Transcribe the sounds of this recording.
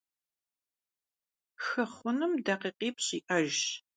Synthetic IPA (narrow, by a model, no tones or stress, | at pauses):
xɐχʷʊnɨmdɐqiːqiːpʰɕiːʔɐʒ